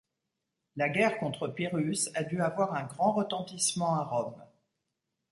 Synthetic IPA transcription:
laɡʲɛʁkɔ̃t̪χəpiʁysad̪yavwaʁɛ̃ɡʁɑ̃ʁət̪ɑ̃t̪ismɑ̃aʁɔm

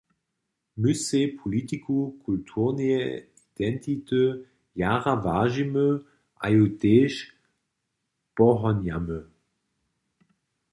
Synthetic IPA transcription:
mysepʰɔlit̪ikʰukʰultʰuʁnee | id̪̥ɛnt̪ʰit̪ə | jaʁavaʒimə | ʔa̰jod̪ɛʃ | b̥ɔʁɔnjamə

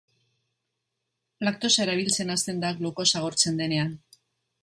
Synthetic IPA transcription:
flak̚t̪o̞saeɾaβ̞ilt͡se̞nast̪e̞nd̪akluko̞saɣ̞o̞ɾt͡se̞nd̪e̞ne̞an

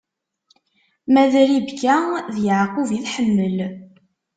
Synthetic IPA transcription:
mæðɾibkːæðjəʕquviθħəmːəl

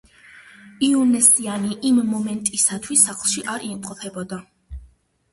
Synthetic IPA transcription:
iunɛsianiʔimːɔmɛnt̪ʼisat̪ʰwisːaχlˠʃiʔaɾimqʼɔpʰɛbɔd̪a

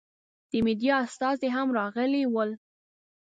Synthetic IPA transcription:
d̪̥əmed̪ijɑast̪ɑzeɦamɾɑɣəlewəl

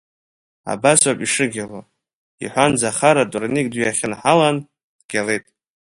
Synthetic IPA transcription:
a̰baswapʼiʂɨɡʲalo | ḭħʷand͡zaχaɾatʼurnikʼdɥjaχʲɪnħalan | d̥ɡʲale̞jtʼ

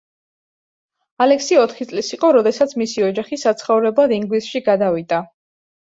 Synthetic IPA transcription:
alɛksiɔt̪ʰχit̪sʼlisiqʼɔɾɔd̪ɛsat̪sʰmisiɔd͡ʒaχisat̪sʰχɔvɾɛbad̪iŋɡlisʃiɡad̪avid̪a

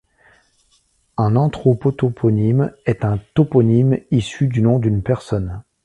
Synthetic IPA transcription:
ɛ̃nɑ̃t̪χɔpɔt̪opʰɔnimɛt̪ɛ̃t̪opɔnimisyd̪ynɔ̃d̪ynpɛʁsɔn

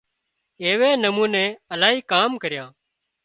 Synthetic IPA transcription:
eːʋeːnəmũːnẽːəlaːɦiːkaːmkəɾɪjãː

